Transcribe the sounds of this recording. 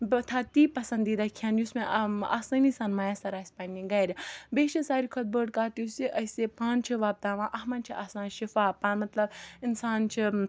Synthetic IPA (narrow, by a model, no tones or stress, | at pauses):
t̪ʰaːt̪iːpɐsɐ̃nd̪iːd̪aːkʰjaːnjusmẽʔa̰ːsɐniːsaːnmɐjaːsɐɾaːsʲpɐnʲĩɡɐjɾʲɐbeːʃʰisaːɾikʰɐt̪̚bəːɖkaːt̪isiʔɐsepãːnt͡ʃʰiʋaːb̚d̪aːʋãːʔɐɦmɐnt͡ʃʰiʔaːsnãːʃifaːpaːmɐt̪lɐbɪnsaːnt͡ʃʰi